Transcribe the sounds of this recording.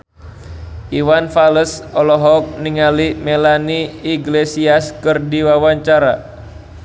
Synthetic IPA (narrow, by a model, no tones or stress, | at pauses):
ʔiwanfaləsɔlɔɦɔk̚niŋalimelaniːɡlesiaskɨrdiwawaɲt͡ʃaɾa